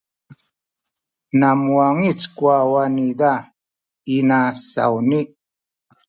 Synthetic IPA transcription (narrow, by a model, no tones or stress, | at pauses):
namwaŋit͡skwawanida | inasa̰wni